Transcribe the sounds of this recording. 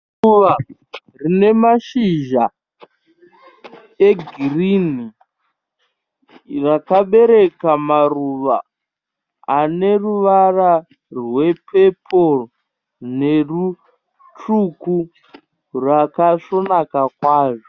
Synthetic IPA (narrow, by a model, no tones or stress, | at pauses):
uʋa | rine̞maʃiʒa | e̞ɡʱirini | rakaɓe̞ɾe̞kamaruʋa | ne̞ruʋara | rwe̞pʰepʰo | ne̞ru | tuku | rwakaʂo̞nakakwaːʐo